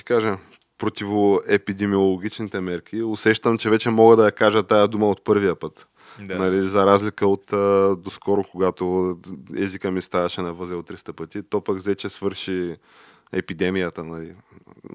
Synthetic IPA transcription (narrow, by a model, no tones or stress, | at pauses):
i̥kaʒə | pɾot̪ivoɛpid̪ɛmiolˠoɡʲit͡ʃnit̪ɛmɛɾkʰʲiosɛʃt̪əmt͡ʃɛvɛt͡ʃɛmɔɡəd̪ɐjɐkaʒət̪ajəd̪uməot̪̚pɤɾvijəpɤt̪ | nɐlizɐɾazlikəot̪əd̪oskɔɾokoɡat̪o | ɛ̰zikəmist̪avɐʃɛnɐvɤzɛot̪ːɾist̪əpɤt̪it̪opəɡzɛt͡ʃɛsvɤɾʃi | ɛpid̪ɛmijət̪ənɐli